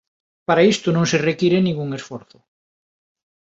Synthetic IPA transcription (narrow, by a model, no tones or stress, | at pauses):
paɾaist̪ʊnõŋserekiɾenĩŋɡuŋesfoɾθʊ̥